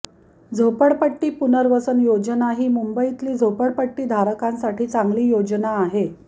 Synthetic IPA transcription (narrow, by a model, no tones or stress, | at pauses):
d͡zʱopəɽpəʈːiːpunəɾʋəsənjod͡ʑənaɦiːmumbəit̪liːd͡zʱopəɽpəʈːiːd̪ʱaɾəkãnsaʈiːt͡saŋɡliːjod͡ʑnaːɦe